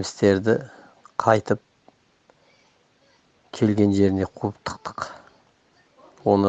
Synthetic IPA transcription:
mɪst̪e̞ɾd̪ɪ | qʰɑjt̪əp̚ | kʲʰe̞lɡʲe̞nʒe̞ɾɪne̞qʰuəp̚t̪ʰə̥q̚t̪ə̥q | wo̞nə

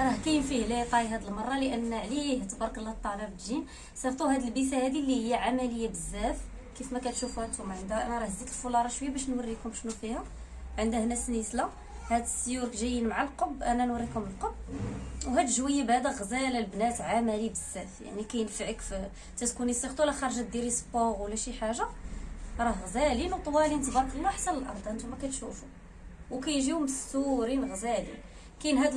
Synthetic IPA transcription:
ɾˤɑhkæjənfihlit̪ˤɑɦæd̪əlmɑrˤːɑləʔənːʕliht̪əbɑɾˤkəlːæt̪ˤːɑləbd̪ʒin | sˤɑbt̪ˤuhæd̪əlbifæhæd̪ilːihəjːaʕamæləjːabəzːæf | kifmækæt̪ʃufuhæd̪t̪ːʊmʕənd̪ʔæ̰næɾˤɑhzit̪əlfulɑɾˤɑʃwəjːabæʃnwərːikʊmʃnufihæ | ʕənd̪əhnæsnisla | hæd̪əsːjuɾkʒæjːənmaʕalqobʔænænwərːikʊməlqob̚whæd̪ʒwəjəbhæd̪æɣzælælbnæt̪ʕamælibəsːæfja̰ʕnikæjənfʕəkf | t̪æt̪kunisixt̪ulæxɑɾˤʒæt̪̚d̪iɾispoʁwlːæʃiħaʒa | ɾˤɑhɣzælinwt̪ˤwælint̪b̪ɑqlinuħasænəlʔɑ̰ɾˤd̪ˤʔənt̪umækæt̪ʃufu | wkæjʒiuməst̪uɾinɣzælḭn | kænɦæd̪

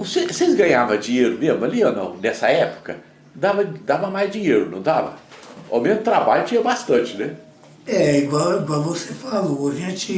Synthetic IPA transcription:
ʊsesezɡɐ̃ɲavɐ̃d͡ʒĩɲeɾʊmezmʊalionɐ̰̃w̃nɛsɐɛpʊ̥kɐ | d̪avɐd̪avɐ̃majzd͡ʒĩɲeɾʊnɐ̃w̃d̪avɐ̰a̰wmẽnʊt̪ɾabaʎʊt͡ʃĩɲɐbast̪ɐ̃t͡ʃɪnɛ | ɛiɡwawiɡwawvosefalooʒẽt͡ʃɪ

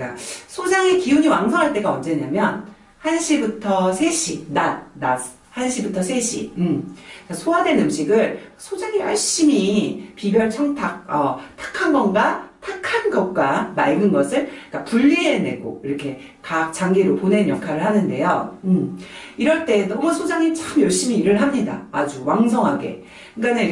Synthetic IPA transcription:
k͈asʰod͡ʑaŋekiuɲiwaŋsʰʌŋɦaɭt͈e̞ɡaʌnd͡ʑe̞ɲamjʌn | hanɕʰibutʰʌsʰe̞ɕʰinan̚ːas | hanɕʰibutʰʌsʰe̞ɕʰḭɯmkasʰoadwe̞nɯmɕʰiɡɯɭsʰod͡ʑaŋewʌɭɕ͈imipibjʌɭt͡ɕʰʌŋtʰak̚ʌtʰḁkʰanɡʌnɡatʰakʰanɡʌt̚k͈wamaɭɡɯnɡʌsʰɯɭk͈apuʎːie̞ne̞̰ɡo̰iɾʌkʰe̞ | kak̚t͡ɕaŋɡeɾoponenjʌkʰaɾɯɭhanɯnde̞joɯmiɾʌɭt͈e̞nʌmɯsʰod͡ʑaŋit͡ɕamjʌɭɕ͈imiːɾɯɭɦamɲida̰ad͡ʑuwaŋsʰʌŋɦaɡe̞̰ | kane

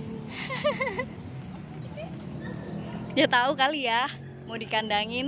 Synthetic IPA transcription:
ijat̪aukalijah | modikandaŋɪn

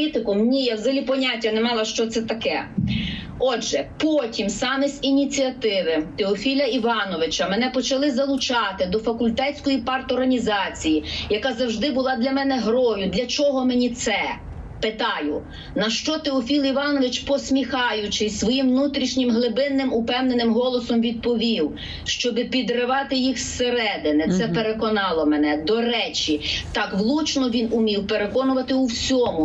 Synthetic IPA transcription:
it̪ɪkʊmnʲijawzɐlʲipɔnʲatʲːɐnɛmɑlˠɐʃt͡ʃɔt̪sɛt̪ɐkɛ | ɔdʒɛpɔtʲimsɑmesʲinʲit͡sʲiɐt̪ɪʋɪt̪eɔfʲilʲɐiʋɑnɔʋɪt͡ʃɐmɛnɛpɔt͡ʃɐlˠɪzɐlˠʊt͡ʃɑt̪ɪd̪ɔfɐkʊlʲt̪ɛt͡sʲkɔjipɑrt̪ɔrɦɐnʲizɑt͡sʲijijɐkɑzɐwʒd̪ɪbʊlˠɑd̪ʲlʲɐmɛnɛɦɾɔjʊd̪lʲɐt͡ʃɔɦɔmenʲit̪sɛ | peɪt̪ɑjʊ | nɐʃt͡ʃɔt̪eɔfʲilˠiʋɑnɔʋɪt͡ʃpɔsʲmʲixɑjʊt͡ʃɪsʲsʋɔjimʋnut̪ɾʲiʃnʲɪmɦlˠɪbɪnːɪmʊpɛwnenɪmɦɔlˠɔsɔmʋʲid̪̚pɔʋʲiw | ʃt͡ʃɔbɪpʲid̪ɾɪʋɑt̪ɪjixseɾɛd̪ɪnɛt̪sɛpeɾekɔnɑlˠɔmɛnɛd̪ɔɾɛt͡ʃit̪ɑkʋlˠut͡ʃnɔʋʲinʊmʲiwpeɾekɔnʊʋɐt̪ɪuwsʲɔmʊ

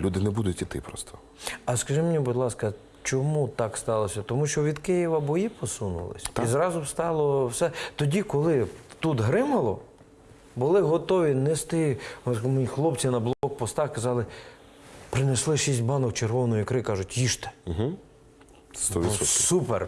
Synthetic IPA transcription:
lʲud̪ɪnɛbud̪ʊtʲit̪ɪ̰pɾɔ̰st̪ʰɔ̥ | ɐskɐʒɪmnʲibʊd̪ʲlˠɑskɐ | t͡ʃɔmut̪ɑkst̪ɑlˠɔsʲɐt̪ɔmuʃt͡ʃɔʋʲid̪kɪjiʋɐbɔjipɔsunʊ̰lˠɪ̰sʲt̪izɾɑzʊwst̪ɑlˠɔwsɛt̪ɔdʲikɔlˠɪt̪ud̪ɦɾɪmɐlˠɔ | bʊlˠɪɦɔt̪ɔʋʲinest̪ɪmʲixlˠɔpt͡sʲinɐblˠɔɦɔkpɔst̪ɑxkɐzɑlˠɪ | pɾɪneslˠɪʃisʲtʲbɑnɔk̚t͡ʃerʋɔnɔjikɾɪkɑʒʊtʲjiʃt̪ɛ̥ɦ̩ | st̪ɔʋisɔsupḛr

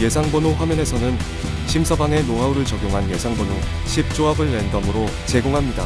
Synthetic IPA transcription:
je̞sʰaŋbʌnoɸwamjʌne̞sʰʌnɯn | ɕʰimsʰʌbaŋe̞moɦauɾɯɭt͡ɕʌɡjoŋɦanje̞sʰaŋbono | ɕʰip̚t͡ɕ͈oabɯɭːendʌmɯɾo | t͡ɕe̞ɡoŋɦamɲida̰

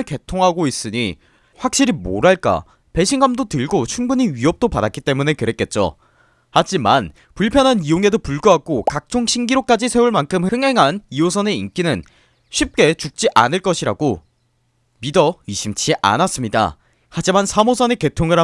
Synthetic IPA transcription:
ɭke̞tʰoŋɦaɡois͈ɯɲi | ɸwak̚ɕ͈iɾimo̰ɾaɭk͈a̰ | pe̞ɕʰiŋɡamdotɯɭɡot͡ɕʰumbuɲiɥiʌp̚t͈opadak͈it͈e̞mune̞kɯɾe̞k͈e̞t̚t͡ɕ͈o̰ | had͡ʑiman | puɭpʰjʌnɦanijoŋe̞dopuɭɡuɦak͈okak̚t͡ɕ͈oŋɕʰiŋɡiɾok͈ad͡ʑisʰe̞uɭmankʰɯmɯŋɦe̞ŋɦaniosʰʌne̞ink͈inɯn | ɕʰip̚k͈e̞t͡ɕuk̚t͡ɕ͈iʔanɯɭk͈ʌɕʰiɾa̰ɡo | midʌiɕʰimt͡ɕʰiʔa̰nas͈ɯmɲida̰ | had͡ʑimansʰamosʰʌne̞ke̞tʰoŋɯɾa

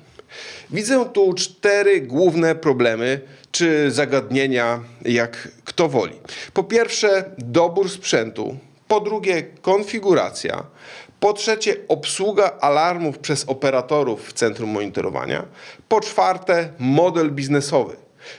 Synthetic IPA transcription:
vʲid̪zɛt̪ut͡ʂt̪ɛɾɘɡwuvnɛpɾɔblɛmɘt͡ʂɘzaɡad̪ɲeɲajakːt̪ɔvɔ̰lʲḭpɔpʲjɛɾfʂɛd̪ɔbuɾspʂɛnt̪ṵ | pɔd̪ɾuɡʲɛkɔnfʲiɡuɾa̰t̪sʲja̰pɔtʂɛt͡ɕɛɔpswuɡaʔalaɾmufpʂɛzɔpɛɾat̪ɔɾufːt̪sɛnt̪ɾumːɔɲit̪ɔɾɔ̰va̰ɲa̰pɔt͡ʂfaɾt̪ɛmɔd̪ɛlbʲiznɛsɔvɘ̰

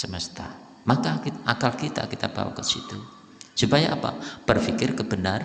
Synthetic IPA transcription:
səməst̪a | makakiʔakalkit̪a̰kit̪ab̥a̰wa̰kəsḭt̪u | supajaʔapa̰b̥ərfikɪrkəb̥ənar

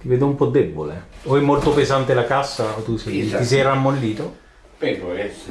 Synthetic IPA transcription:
t̪iveːd̪oumpɔd̪ːɛbːo̰leoɛmːolt̪opezant̪elakasːat̪ːuset̪is̬ɛjramːolːiːt̪o | pɛoɛ

